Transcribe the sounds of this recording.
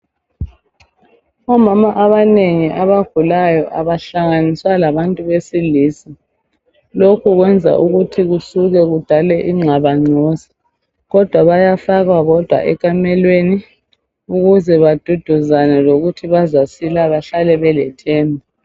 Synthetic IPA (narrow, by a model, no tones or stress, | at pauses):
ɔmamaʔaβaneŋiʔaβaɡ̥ʱulajɔʔaβaɬaŋaniswalaβantʼuβesiliːsi | lokʰuɣwɛnd͡zʱa̰ʔuɣutʰiɣusuɣɛɣud̥ʱalɛʔiŋ͡ǀʱaβaŋ͡ǀʱɔsi̥ | ɣɔd̥ʱwaβajafaɣaɣɔd̥ʱwa̰ʔɛkʼamɛlweni | uɣuzɛβad̥ʱud̥ʱuzanɛloɣutʰiβazasilaβaɬalɛβɛlɛtʰɛːmbʱu